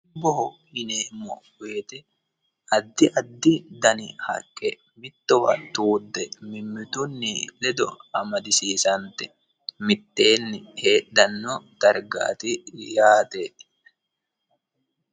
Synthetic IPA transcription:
bɔɦɔhɪneːmɔ̰we̞ːt̪ɛ | ɐd̪ːɪʔɐd̪ːɪd̪ɐnɪhɐ̰kʼːɛ | mɪt̪ːɔfɐ̰t̪uːd̪ːɛmɪmːɪt̪ʊnːɪlɛd̪ɔɐmɐd̪ɪsiːsɐnt̪ɛ | mɪt̪ʼːe̞ːnːɪheːɗːɐnːɔt̪ɐɾɡa̰ːt̪ɪjaːt̪e

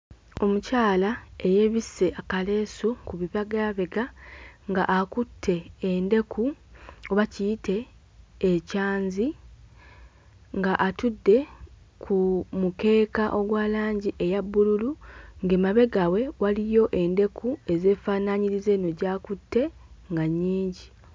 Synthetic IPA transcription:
o̞mucaːlae̞je̞βise̞ʔakale̞ːsokuβiβaɡaβe̞ɡaŋɡaʔakutʰːe̞ːnde̞kʰuoβacijite̞ː | caːɲzi | ŋɡaʔatudːe̞ | kʰumuke̞ːkaʔo̞ɡwaːlaːɲɟiʔe̞jabːululuŋɡemaβe̞ɡawe̞walijo̞ʔe̞nde̞kʰue̞ze̞ːfaːnaɲiɾize̞ːno̞ɟaːkutʰːe̞ŋɡaɲːiːɲɟi

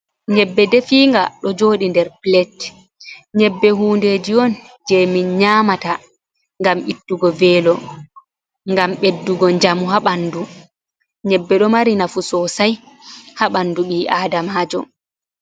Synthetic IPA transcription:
ɲɛbːɛdɛfiːŋɡa̰ɗɔd͡ʒoːɗindɛɾplɛt | ɲɛbːɛɦuːndeːd͡ʒiɔn | d͡ʒɛminɲaːmata | ŋɡamitːuɡɔvɛːlɔ | ŋɡamɓedːuɡɔɲd͡ʒamuɦaɓanːdu | ɲɛbːɛɗɔmaɾinafusɔsaj | haɓanduɓiːʔaːdamaːd͡ʒɔ̰

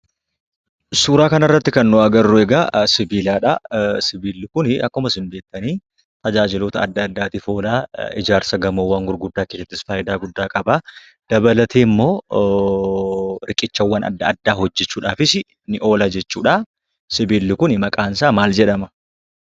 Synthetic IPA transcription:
suːɾaːkɐnɐrːɐt̪ːɪkɐnːʊɐɡɐrːʊɛɡaːsɪbiːlaːᶑɐ̰sɪbiːlːɪkʊnɪɐkːʊmɐsɪmbe̞ːkt̪ːɐniː | t̪ʼɐd͡ʒaːd͡ʒɪloːt̪ɐɐd̪ːɐːd̪ːaːt̪iːfo̞ːlaːɪ̰d͡ʒaːɾsɐɡɐmoːwːaːnɡʊɾɡʊd̪ːaːkeːsɛt̪ːɪsfaːʔɪd̪aːɡʊd̪ːaːkʼɐbaː | d̪̥ɐbɐlɐt̪ʰeːmːo̞ː | ɾɪkʼɪt͡ʃːɐwːɐnɐ̰d̪ːɐːd̪ːaːhɔd͡ʒːɛt͡ʃːuːᶑaːfɪsɪ | nɪʔo̞ːlaːd͡ʒɛt͡ʃːuːᶑaː | sɪbiːlːɪkʊnɪmɐkʼaːnsaːmaːld͡ʒɛᶑɐmɐ

